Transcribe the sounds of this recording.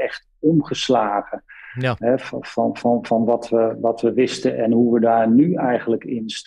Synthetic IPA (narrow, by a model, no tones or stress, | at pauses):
ɛχt | ɔmχəslaːχəɦɛfɑnvɑnvɑnʋɑtʋəʋɑtʋəʋɪstəʔɛnɦuʋədaːɹnyɛjχənləkɪnst